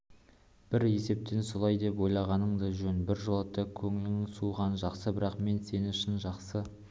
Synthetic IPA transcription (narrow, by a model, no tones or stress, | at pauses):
b̥ɪɾe̞se̞p̚t̪e̞nso̞lˠɑjd̪e̞pwo̞jlˠɑʁɑnəɴd̪əʒɵnbɪɾʒolˠɑt̪ːɑkʲʰɵŋɪlɪŋɪsuʁɑnʒɑqsəbɪɾɑqme̞nse̞nɪŋɪʃɪnʒɑqsə